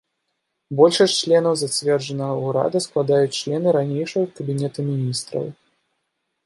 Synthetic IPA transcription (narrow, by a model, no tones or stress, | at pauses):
bɔlʲʂɐsʲt͡ʂlʲɛnɐwzat͡sʲvʲɛrʐɐnɐɣɐuɾa̰d̪ɐsklˠad̪ajut͡sʲt͡ʂlʲɛnɨɾanʲejʂɐɣɐkɐbʲinʲɛt̪ɐmʲinʲist̪ɾɐ̰w